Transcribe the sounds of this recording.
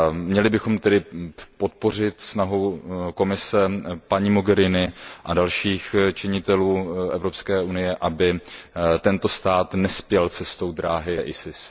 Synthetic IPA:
mɲɛlɪbɪxo̞mt̪ɛdɪpo̞t̪̚po̞r̝ɪt̪snaɦuko̞mɪsɛpaɲiːmo̞ɡɛɾɪnɪʔadalʃiːxt͡ʃɪɲɪt̪ɛluːʔɛvɾopskɛːʔunɪjɛʔabɪt̪ɛnt̪o̞st̪aːt̪nɛspjɛlt͡sɛst̪owdɾaːɦɪʔɪsɪs

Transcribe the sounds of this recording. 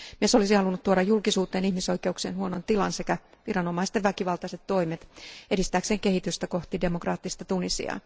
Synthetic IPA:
mmieso̞lisihɑlunːut̪t̪ːuoɾɑjulkisuːt̪eːnihmiso̞ikeuksiḛːnhuonont̪ilɑ̰nsekæ | ʋiɾɑno̞mɑist̪eʋʋækiʋɑlt̪ɑset̪to̞imet̪edist̪æːkseːŋkehit̪yst̪æko̞ht̪ide̞mokrɑːt̪ːist̪ɑt̪unisḭɑ̰ː

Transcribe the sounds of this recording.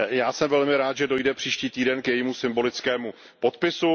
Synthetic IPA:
jaːsɛmvɛlmɪɾaːt̪ʒɛdo̞jdɛpr̝̥iːʃciːt̪iːdɛnkjɛjiːmusɪmbo̞lɪt͡skɛːmu | pot̪̚pɪsu

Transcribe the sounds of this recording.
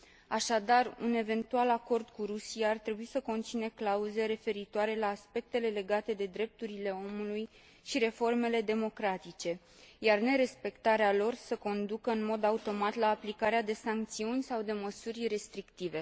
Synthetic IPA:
aʃad̪arune̞ve̞nt̪ualako̞rd̪kuɾusijaːrt̪ɾe̞buisəko̞nt̪sineklauze̞ɾe̞fe̞ɾit̪oaɾe̞laːspe̞k̚t̪e̞le̞le̞ɡat̪e̞d̪e̞d̪ɾe̞p̚t̪uɾile̞o̞muluj | ʃiɾe̞fo̞rme̞le̞d̪e̞mo̞kɾat̪it͡ʃe̞ | jarne̞ɾe̞spe̞kt̪aɾealo̞rsəko̞nd̪ukəɨnmo̞d̪aut̪o̞mat̪laːplikaɾead̪e̞saŋk̚t̪siunʲsawd̪e̞məsurʲre̞st̪ɾikt̪ive̞

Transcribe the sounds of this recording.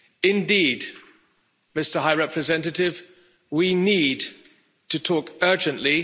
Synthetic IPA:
ɪ̃ndiːd | mɪstə˞ɦaɪɹɛpʰɹɨzɛ̃ntətɪv | winiːd | tʰətʰɔˑkɜ˞d͡ʒɨ̃nʔli

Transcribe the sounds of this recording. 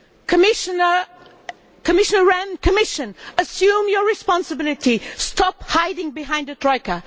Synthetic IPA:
kʰəmɪʃnə | kʰəmɪʃənəɹæ̃nkʰəmɪʃə̃nəsjʉ̃mjəɹɪspɑ̃nsəbɪlˠɪtistɑphaɪdɪ̃ŋbɪɦãɪ̃ndətʰɹ̥ɔɪkə

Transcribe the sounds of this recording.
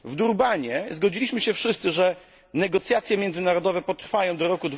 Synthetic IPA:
vd̪uɾbaɲɛzɡɔd͡ʑilʲiɕmɘɕɛfʂɘst̪sɘʐɛ | nɛɡɔt̪sʲjat̪sʲjɛmʲjɛnd̪zɘnaɾɔd̪ɔvɛpɔt̪ɾfajɔ̃w̃d̪ɔɾɔkud̪

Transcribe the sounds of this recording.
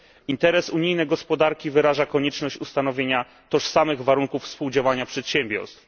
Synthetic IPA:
int̪ɛɾɛsuɲijnɛjɡɔspɔd̪aɾkʲivɘɾaʐakɔɲɛt͡ʂnɔɕt͡ɕust̪an̪ɔvʲjeɲa | t̪ɔʂsamɘɣvaɾuŋkufspuwd͡ʑawaɲapʂɛt̪ɕɛmbʲjɔ̰ɾst̪f

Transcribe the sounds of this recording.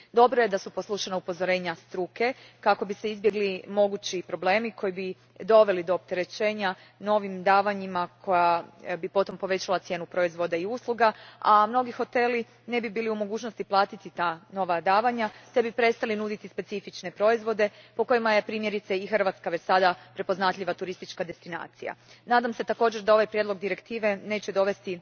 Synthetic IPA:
d̪o̞bɾoje̞d̪asuposlˠuʃanaupo̞zo̞ɾe̞ːɲast̪ɾuke̞kako̞bise̞izbje̞ɡlimo̞ɡut͡ɕipɾo̞ble̞ːmikʰo̞jibi | d̪o̞ʋe̞lid̪o̞ːp̚t̪eɾe̞t͡ɕe̞ːɲa | no̞ʋimd̪aːʋaɲimakʰo̞jabipo̞t̪o̞mpo̞ʋe̞t͡ɕalˠat̪sje̞ːnupɾo̞izʋo̞d̪aiuslˠuɡaamno̞ɡixo̞t̪e̞li | ne̞bibiːliumo̞ɡuːt͡ʃno̞st̪iplˠaːt̪it̪it̪ano̞ʋad̪aːʋaɲat̪e̞bipɾe̞t̪st̪alinud̪it̪ispe̞t̪sifit͡ʃne̞pɾo̞izʋo̞d̪e̞po̞ko̞jimaje̞pɾiːmje̞ɾit̪seixr̩ʋat̪skaʋet͡ɕsad̪apɾe̞po̞znat̪ʎʲiʋat̪uɾist̪it͡ʃkad̪e̞st̪ina̰ːt̪sija̰naːd̪amse̞t̪ako̞ːd͡ʑeɾd̪ao̞ʋajpɾjed̪lˠo̞ɡ̚d̪iɾe̞kt̪iːʋe̞ne̞ːt͡ɕed̪o̞ʋe̞st̪i

